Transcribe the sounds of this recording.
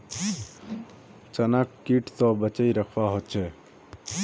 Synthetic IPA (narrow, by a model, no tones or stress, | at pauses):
t͡ʃənakːiʈt̪ɔbət͡ʃəiɾəkʰʋaɦot̪̚t͡ʃʰe